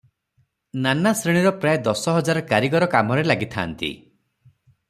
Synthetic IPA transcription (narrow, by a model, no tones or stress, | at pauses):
nanasɾiɽ̃iɾɔpɾajed̪ɔsɔɦɔd͡ʒaɾɔkaɾiɡɔɾɔkamɔɾelaɡit̪ʰa̰ːnt̪ḭ